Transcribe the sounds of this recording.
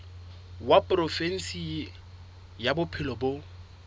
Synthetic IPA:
wapʼrɔfɛn̩si | jabʊpʰɪlɔbo

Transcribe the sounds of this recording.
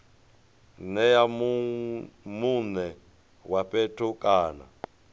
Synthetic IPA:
nɛjam | munɛ | wapʼɛtʰukʼaːna̰

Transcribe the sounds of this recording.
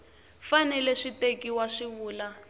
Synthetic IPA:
fanɛlɛʂitekiwaʂiβuːla

